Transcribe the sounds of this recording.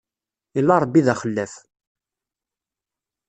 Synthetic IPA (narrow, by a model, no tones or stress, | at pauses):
ilːaɾˤəbːiðæχəlːæf